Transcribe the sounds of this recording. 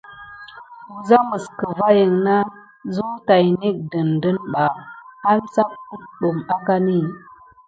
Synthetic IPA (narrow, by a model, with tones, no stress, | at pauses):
u˨za˦mə˨skə˨va˦jə˨ŋna˦ | zu˦ta˨jni˦k̚də˨ndə˦nɓa˨a˦nsa˦p̚ku˦ɗu˨ma˦ka˦ni˦˨